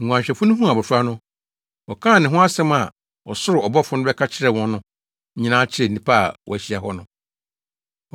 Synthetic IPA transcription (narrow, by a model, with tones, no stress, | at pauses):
ŋ̩˨ɡʷũ˨ã˨ɲɕᶣɛ˨fʊ̃˦nʊ̃˦ɦũ˦a˨bɔ˨sʊ˦a˦nʊ̃˦ | ɔ˨kʰãː˦˨nɪ̃˨ɦʊ̃˦a˦sɛ̃˦ma˨ | ɔ˨sʊ˦ɾɪ˨ɔ˨bɔ˦fʊ˦nʊ̃˦bɛ˦kʰa˦t͡ɕʰɪ˦ɾɛ˨wɔ̃˦nʊ̃˦ | ɲĩ˦nãː˦t͡ɕʰɪ˦ɾɛ˨nĩ˨pʰa˦a̰˨wɔ̰˨æ˨ɕi˨a˨ɦɔ˦nʊ̃˦